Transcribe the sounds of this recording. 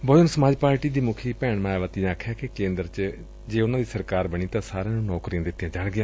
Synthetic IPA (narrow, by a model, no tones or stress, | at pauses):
boːnsəmaːd͡ʒpaːɾʈiːd̪iːmʊkʰiːpɛːɳmãːʋət̪iãakʰːjaːkekẽːnd̪əɾt͡ʃ | d͡ʒeːʊnãːd̪iːsəɾkaːɾbəɳ̃iːt̪ãːsaːɾẽːnũːnɔːkɾijãːd̪ɪt̪ːijãːd͡ʒaːɽɡɪjãː